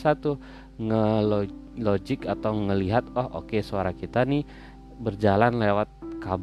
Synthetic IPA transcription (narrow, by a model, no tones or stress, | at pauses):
sat̪ʊ | ŋəlo | lod͡ʒɪkat̪awŋəliɦat̪ahʔo̰kesoaɾakit̪ani | bərd͡ʒalanlewat̪̚kab